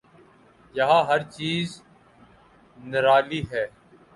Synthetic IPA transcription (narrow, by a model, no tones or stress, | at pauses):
jɐɦãːɦɐɾt͡ʃiːz | nɪɾaːliːɦɛː